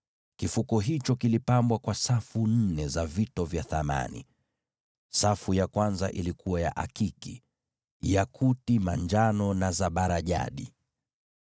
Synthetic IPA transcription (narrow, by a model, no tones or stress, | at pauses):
kifukɔɦit͡ʃɔkilipambwakwasafun̩nɛzavitɔvjaθama̰nḭ | safujakwanzaʔilikuwaja̰ʔa̰kiki | jakʰutimaɲd͡ʒanɔnazaɓaɾaʄa̰ɗi